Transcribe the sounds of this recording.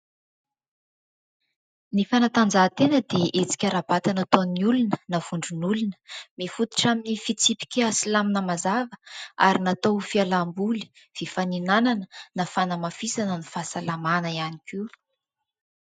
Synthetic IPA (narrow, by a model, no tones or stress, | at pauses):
nifanat̪and͡zat̪enəd̪eʔet͡si̥kʲaɾabat̪anat̪oniulunənav̥uɳɖ͡ʐunulunə̥mefut̪i̥ʈ͡ʂaminifit͡sipi̥kʲasilaminəmazavə̥a̰ɾinat̪owfialambuli̥ | v̥ifaninananənafanəmafisanənifasalamanəianiki